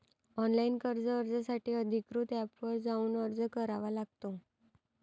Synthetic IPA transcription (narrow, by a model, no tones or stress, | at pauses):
ɔnlainkəɾd͡zəəɾd͡zasaʈʰiːəd̪ʱikɾut̪ɛpʋəɾd͡zauːnəɾd͡zəkəɾaʋalaɡ̚t̪o